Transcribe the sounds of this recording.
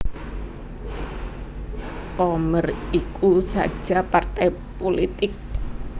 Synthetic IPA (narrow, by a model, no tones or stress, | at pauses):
pomərikusa̰̥ʒ̥apart̪aj | polit̪ɪk̚